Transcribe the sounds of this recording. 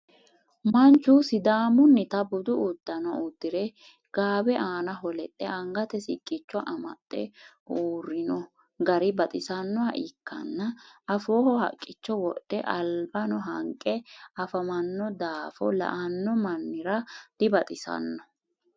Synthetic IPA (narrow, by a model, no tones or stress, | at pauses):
mɐnt͡ʃːusɪd̪aːmʊnːɪt̪ɐbʊd̪ʊʔʊd̪̥ːɐnɔʊd̪̥ːɪɾɛ | ɡ̥aːbɛʔaːnɐɦɔlɛt̪ʼːɛɐŋɡɐt̪ɛsɪkʼːɪt͡ʃːɔʔɐmɐ̰t̪ʼːɛ̰ | uːrːɪnɔ | ɡɐɾɪbɐt̪ʼɪsɐnːɔaʔɪkːɐ̰nːɐɐfoːhɔhɐ̰kʼːɪt͡ʃːɔwɔɗːɛʔɐlbɐnɔɦɐŋkʼɛɐfɐmɐnːɔd̪aːfɔ̰lɐ̰ʔɐnːɔmɐnːɪɾɐd̪̥ɪbɐt̪ʼɪsɐ̰nːɔ̥